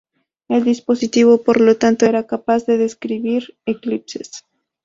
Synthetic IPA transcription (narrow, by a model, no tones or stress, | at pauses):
e̞ld̪ispo̞sit̪iβo̞po̞ɾlo̞t̪ant̪oe̞ɾakapazðe̞ðe̞skɾiβiɾeklipse̞s